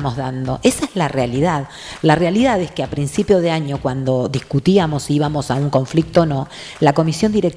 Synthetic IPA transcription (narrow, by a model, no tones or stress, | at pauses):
mo̞ɦðand̪oʔesaezlarealiðað | larealiðaðehskeapɾinsipjoðeaɲo̞kwand̪o̞ðiskut̪iamo̞siiβamo̞sauŋko̞ɱflik̚t̪oːnõ̞ | lako̞misjo̞nd̪iɾek̚t